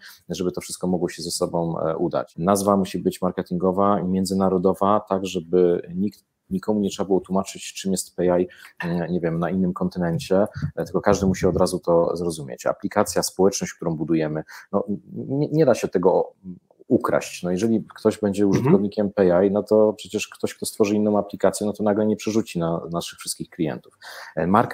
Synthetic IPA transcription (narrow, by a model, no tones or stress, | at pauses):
ʐɛbɘt̪ɔfʂɘst̪kɔmɔɡwɔɕɛzɛsɔbɔ̃w̃ud̪a̰t͡ɕnazvamuɕibɘt͡ɕmaɾkɛt̪ʲiŋɡɔvaimʲjɛnd̪zɘnaɾɔd̪ɔvat̪aɡʐɛbɘɲikt̪ | ɲikɔmuɲɛtʂɛbabɘwɔt̪wumat͡ʂɘt͡ɕt͡ʂɘmjɛst̪̚pɛajɲɛvʲjɛmnainːɘmkɔnt̪ɘnɛɲt͡ɕɛt̪ɘlkɔkaʐd̪ɘmuɕiɔd̪ɾazut̪ɔzɾɔzumʲjḛt͡ɕa̰plʲikat̪sʲjaspɔwɛt͡ʂnɔɕt͡ɕkt̪uɾɔ̃w̃bud̪ujɛmɘnɔɛɲɛd̪aɕɛt̪ɛɡɔ | ukɾa̰ɕt͡ɕnɔjɛʐɛlʲikt̪ɔʑbɛɲd͡ʑɛuʐɨt̪kɔvɲikʲɛmpɛajnɔt̪ɔpʂɛt͡ɕɛʂkt̪ɔɕkt̪ɔst̪fɔʐɘinːɔ̃w̃aplʲikat̪sʲjɛnɔt̪ɔnaɡlɛɲɛpʂɛʐut͡ɕinanaʂɘxfʂɘst̪kʲixklʲijɛ̰nt̪ufmaɾk